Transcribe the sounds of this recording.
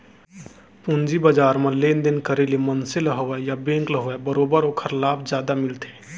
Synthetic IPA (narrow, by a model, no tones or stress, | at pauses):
pund͡ʒibad͡ʒaːɾmẽleːnd̪enkəɾelimənseləɦəʋɛjabẽːŋkləɦʋɛbəɾoːbəɾoːkʰəɾlaːbd͡ʒjaːd̪amɪlt̪e